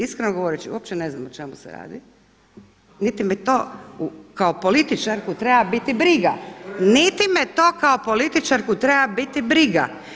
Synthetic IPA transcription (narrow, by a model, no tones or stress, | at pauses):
iskɾenoɡo̞ʋo̞ɾet͡ʃiuopt͡ʃeneznamot͡ʃemusḛɾa̰ːd̪i | nit̪imet̪o̞ukaopolit̪it͡ʃaɾkut̪ɾebabit̪ibɾiɡanit̪imet̪o̞ːkaopo̞lit̪it͡ʃaɾkut̪ɾebabit̪ibɾiɡa̰